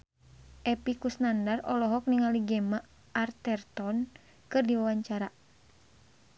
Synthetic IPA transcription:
ʔɛpikusnandarɔlɔɦɔk̚niŋaliɡɛma | art̪ɛrt̪ɔn | kɨrdiwawaɲt͡ʃaɾa

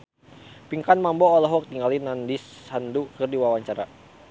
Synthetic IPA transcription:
piŋkanmambɔːlɔɦɔk̚t̪iŋɡalinandishandukɨrdiwawaɲt͡ʃaɾa̰

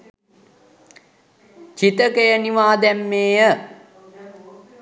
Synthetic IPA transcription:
t͡ʃit̪əkejəniʋaːd̪ɛmːeːjə

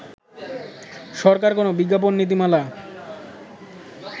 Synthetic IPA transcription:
ʃɔɾkaɾkonobiɡːap̬onːit̪̬imala

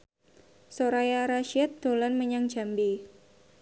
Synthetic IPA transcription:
soɾajaɾaʃiat̪̚d̪̥olanməɲaŋ̥d͡ʒa̤mbi

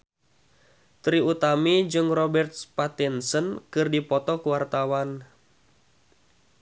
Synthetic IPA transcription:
t̪ɾiut̪amid͡ʒɨŋrɔbɛrt̪̚spat̪insənkɨrdipɔt̪ɔkuwart̪awan

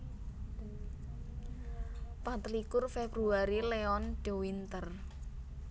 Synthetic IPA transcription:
pat̪likʊrfebɾuaɾileɔnɖ̥ewint̪ər

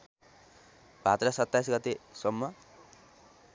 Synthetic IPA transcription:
b̥ʱat̪rʌsʌt̪ːajsɡʌt̪esʌmːʌ

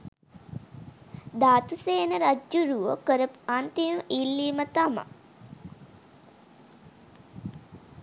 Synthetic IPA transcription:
d̪aːt̪useːnəɾad͡ʒjuɾuʋəkəɾəpant̪imʔilːiːmət̪ama̰

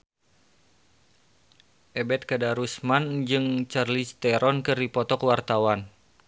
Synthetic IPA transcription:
ʔɛbɛt̪̚kadaɾusmand͡ʒɨŋt͡ʃarlist̪ɛɾɔnkɨrdipɔt̪ɔkwart̪awan

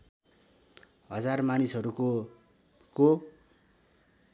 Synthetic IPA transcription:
ɦʌd͡zarmanisɦʌɾuko | ko

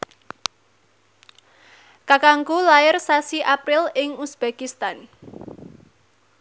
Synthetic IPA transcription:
kakaŋkulaɪrsasiʔapɾɪlɪŋusb̥ekist̪an

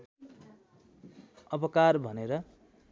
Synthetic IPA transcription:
ʌbʌkarbʱʌneɾʌ

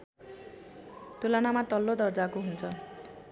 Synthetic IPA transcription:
t̪ulanamat̪ʌlːod̪ʌrd͡zakoɦunt͡sʰʌ

